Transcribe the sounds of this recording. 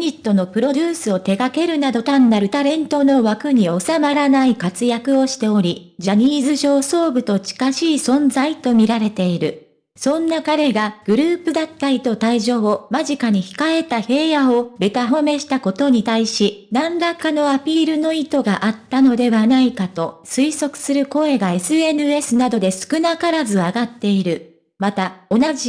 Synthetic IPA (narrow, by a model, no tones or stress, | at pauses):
ɲʲit̪ːo̞no̞pɯ̟ɾo̞d̪ʲɨːsɨo̞t̪e̞ɡake̞ɾɯ̟nad̪o̞t̪ãnːaɾɯ̟t̪aɾẽ̞nt̪o̞no̞βakɯ̟ɲ̟io̞samaɾanaikat͡sɨjakɯ̟o̞ɕi̥t̪e̞o̞ɾʲi | d͡ʑaɲ̟iːzɨʑo̞ːso̞ːbɯ̟t̪o̞t͡ɕi̥kaɕiːsõ̞nzait̪o̞mʲiɾaɾe̞t̪e̞iɾɯ̟ | sõ̞nːakaɾe̞ɡaɡ̥ɯ̟ɾɯ̟ːpɯ̟d̪at̪ːait̪o̞t̪aiʑo̞ːmaʑikaɲ̟içi̥kae̞t̪ahe̞ːjao̞be̞t̪aɦo̞me̞ɕi̥t̪ako̞t̪o̞ɲ̟it̪aiɕinãnɾakːano̞apʲiːɾɯ̟no̞it̪o̞ɡaʔat̪ːano̞d̪e̞βanaikat̪o̞sɨiso̞kɯ̟̥sɨɾɯ̟ko̞e̞ɡae̞sɨenɯ̟e̞sɨnad̪o̞d̪e̞sɨ̥kɯ̟nakaɾazɨaɡat̪ːe̞iɾɯ̟ | mat̪ao̞naʑi